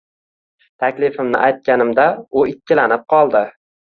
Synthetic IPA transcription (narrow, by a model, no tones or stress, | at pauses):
t̪ʰakʲlɪfɪmnɪ̰ʔajt̪̚kʲanɪmd̪aʊɪkʲʰːɪlanɪp̚qʰɒlˠd̪ɪ